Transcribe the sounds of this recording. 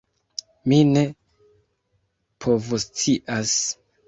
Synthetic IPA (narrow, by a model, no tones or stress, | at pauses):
mine̞ | pʰo̞vust͡siʔas